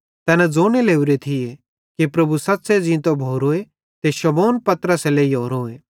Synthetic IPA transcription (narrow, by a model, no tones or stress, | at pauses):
t̪ɛːnad͡zoːɽ̃eleːuɾet̪ʰɪe | kipɾɐbʱusɐt̪ːsed͡zĩt̪obʱoːɾoːe | t̪eʃɐmoːnpɐt̪ɾəseleijoːɾoːeː